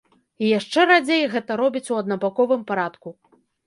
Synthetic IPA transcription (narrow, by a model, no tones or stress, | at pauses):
ijaʂt͡ʂɛɾad͡zʲejɣɛt̪ɐɾɔbʲit͡sʲuɐd̪nɐbakɔvɨmpaɾat̪ku